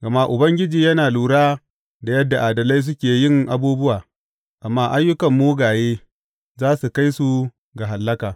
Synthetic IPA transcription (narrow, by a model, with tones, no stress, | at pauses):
ɡɐ˨ma˦ʔʊ˨bɐ˦ŋɡʲɪ˦d͡ʒiː˨jɐ˦naː˨luː˨ɽaː˦ | da˨jɐ˦dːa˨ʔaː˨dɐ˨la˦js̬ʊ˦kʲeː˨jɪ˦ŋʔa˨˦buː˦bʊ˦waː˨ | ʔa˨mːaː˦ʔa˦jːʊ˦kɐ˨mːuː˦ɡaː˨jeː˦ | zaː˦su˨ka˦jsu˨ | ɡa˨ɦa˨lːɐ˦kaː˨